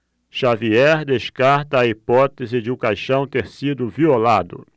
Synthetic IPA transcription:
ʃaviɛɾd̪eʃkaɾt̪ɐːipɔt̪ezɪd͡ʒɪũkajʃɐ̃w̃t̪eɾsid̪ʊviolad̪ʊ̰

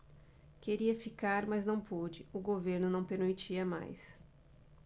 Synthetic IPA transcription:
keɾiɐfikaɾmɐznɐ̃w̃pod͡ʒɪʊɡoveɾnʊnɐ̃w̃peɾmit͡ʃiɐma̰js

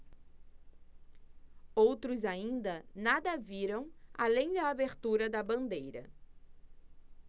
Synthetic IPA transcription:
owt̪ɾʊzaĩnd̪ɐnad̪ɐviɾɐ̃w̃alẽj̃d̪ɐabeɾt̪uɾɐd̪ɐbɐ̃nd̪ejɾɐ̰

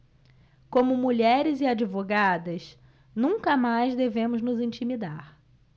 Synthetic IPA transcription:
kõmʊmuʎɛɾɪzɪad͡ʒivoɡad̪ɐs | nũŋkɐmajzd̪evẽmʊznʊzĩnt͡ʃimid̪aɾ

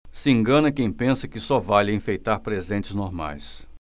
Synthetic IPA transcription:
sɪẽŋɡɐ̃nɐkẽj̃pẽsɐkɪsɔvalɐẽfejt̪aɾpɾezẽnt͡ʃɪznoɾma̰js

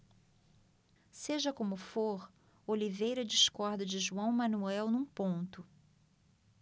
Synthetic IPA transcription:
seʒɐkõmʊfoɾ | olivejɾɐd͡ʒiskɔɾd̪ɐd͡ʒɪʒuɐ̃w̃mɐ̃nuɛwnũpõnt̪ʊ

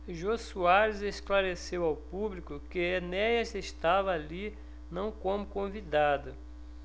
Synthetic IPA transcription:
ʒosuaɾɪzesklaɾesewawpublikʊkɪenɛjɐseʃt̪avɐːli | nɐ̃w̃kõmʊkõvid̪ad̪ʊ

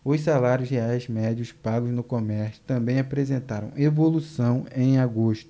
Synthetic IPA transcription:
ʊssalaɾjʊsheajzmɛd͡ʒiʊspaɡʊznʊkomɛɾsjʊ̥t̪ɐ̃bẽj̃apɾezẽnt̪aɾɐ̃w̃ʔevolusɐ̃w̃ẽj̃aɡoʃt̪ʊ̥

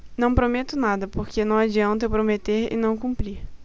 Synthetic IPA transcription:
nɐ̃w̃pɾomet̪ʊnad̪ɐpoɾkenɐ̃w̃ad͡ʒiɐ̃nt̪ɐpɾomet̪eɾɪ̰nɐ̃w̃kũmpɾiɾ

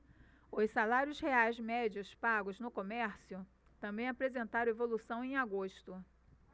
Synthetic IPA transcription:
ʊssalaɾiʊsheajzmɛd͡ʒiʊspaɡʊznʊkomɛɾsijʊ | t̪ɐ̃mbẽj̃apɾezẽnt̪aɾ̃evolusɐ̃w̃ẽj̃aɡoʃt̪ʊ

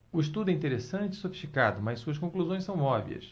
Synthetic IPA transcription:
ʊiʃt̪ud̪ʊɛĩt̪eɾesɐ̃nt͡ʃɪisofiʃt͡ʃikad̪ʊmɐjsuɐskõkluzõj̃sɐ̃w̃mɔvḭɐ̰s

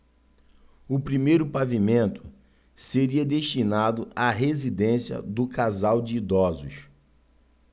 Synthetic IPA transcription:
ʊpɾimejɾʊpavimẽnt̪ʊ̥ | seɾiɐd̪eʃt͡ʃinad̪ʊʔaɦezid̪ẽsiɐ̰d̪ʊkazawd͡ʒɪid̪ɔzʊʃ

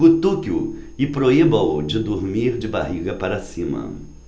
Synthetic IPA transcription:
ut̪ukjʊ | ɪpɾoibɐ̃wd͡ʒɪd̪uɾmiɾd͡ʒɪba̰ɦiɡɐpaɾɐsĩmɐ̰

